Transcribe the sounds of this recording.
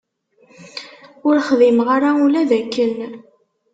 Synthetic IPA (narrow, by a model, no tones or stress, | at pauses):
ʊɾχðimʁaɾaulæðækːən